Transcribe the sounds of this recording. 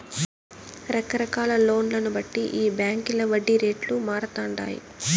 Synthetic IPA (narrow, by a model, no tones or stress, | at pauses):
ɾɐkɐɾɐkaːlɐlo̞ːnlɐnubɐʈːiʔiːbjaːŋkilɐʋɐɖːiɾe̞ːʈlumaːɾɐt̪aːɳɖa̰ːjḭ